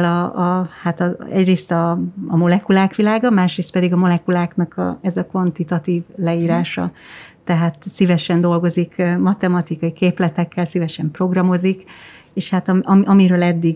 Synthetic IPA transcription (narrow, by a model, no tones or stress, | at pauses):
lɒɒhat̪ɒɛ̰ɟreːst̪ɒːmo̞lɛkulaːkʋilaːɡɒmaːʃreːst̪̚pɛd̪iɡɒmo̞lɛkulaːknɒkʰɒ̰ɛzɒkʋɒnt̪it̪ɒt̪iːvlɛiːɾaːʃɒ̰t̪ɛɦaːt̪sivɛʃɛnd̪o̞lɡo̞zikmɒt̪ɛmɒt̪ikɒjikeːplɛt̪ɛkːɛlsivɛʃɛmpro̞ɡrɒmo̞zikeːʃhat̪ɒmʔɒmʔɒmiɾøːlɛd̪ːiɡ